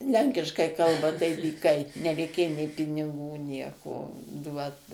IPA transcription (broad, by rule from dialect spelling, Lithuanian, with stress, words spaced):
ˈlʲɛŋʲkʲɪʃkɐɪ ˈkɐlˠbɐ tɐɪ dʲiːˈkɐɪ nʲɛrʲɛɪˈkʲeːjoː nʲeː pʲɪnʲɪˈɡuː ˈnʲiɛkoː ˈduɔt